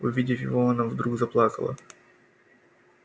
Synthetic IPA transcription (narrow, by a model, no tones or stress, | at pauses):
ʊ̰vʲidʲɪfʲjɪ̰voɐnavd̪ɾuɡzɐplˠɑkəlˠə̰